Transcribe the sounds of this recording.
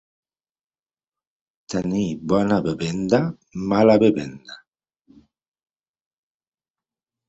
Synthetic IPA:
t̪enibɔnabeβɛnd̪a | malaβeβɛnd̪a

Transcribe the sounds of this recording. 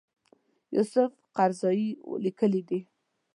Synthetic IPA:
jṵsʊf | qaɾzɑjḭlikəlid̪i

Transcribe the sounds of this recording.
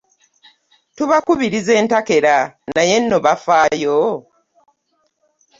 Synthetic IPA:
tuβakuβiɾize̞ːntake̞ɾanaje̞nːo̞βafaːjo

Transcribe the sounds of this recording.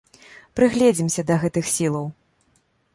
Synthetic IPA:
pɾɨɣlʲɛd͡zʲimsʲɐd̪ɐɣɛt̪ɨxsʲilˠɐw

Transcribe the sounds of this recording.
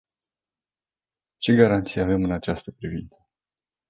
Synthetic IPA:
t͡ʃe̞ɡaɾant̪sijave̞mɨnat͡ʃast̪əpɾivint̪sə

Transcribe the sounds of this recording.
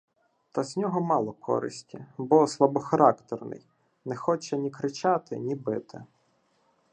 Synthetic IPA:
t̪ɐzʲnʲɔɦɔmɑlˠɔkʰɔ̰ɾɪ̰sʲtʲibɔslˠɐbɔxɐɾɑkt̪ɛrnɪ̰j | nɛxɔt͡ʃɛnʲikɾɪt͡ʃɑt̪ɪ̰nʲibɪt̪ɪ̰

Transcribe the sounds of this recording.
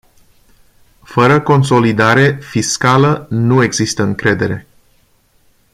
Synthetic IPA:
fəɾəko̞nso̞lid̪aɾe̞fiskalənue̞ɡzist̪əɨŋkɾe̞d̪e̞ɾe̞

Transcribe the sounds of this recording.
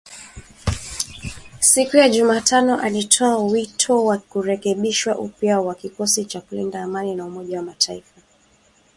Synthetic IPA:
sikujaʄumaːtʰanɔʔalitʰɔawitʰɔwakuɾɛkɛɓiʃwaʔupjawakikɔsit͡ʃakulḭndaːmaninaumɔʄawamatʰaifa

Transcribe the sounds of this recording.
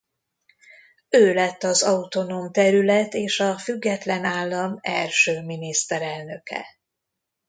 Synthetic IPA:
øːlɛt̪ːɒzɒut̪o̞nomt̪ɛɾylɛt̪eːʃɒfyɡːɛt̪lɛnaːlːɒmɛ̰lʃøːminist̪ɛɾɛlnø̞kɛ̰

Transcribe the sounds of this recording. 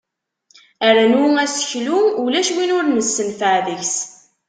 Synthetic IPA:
æɾænwæsə̥çlumulæʃwinʊɾnəsːənfəʕðəçs

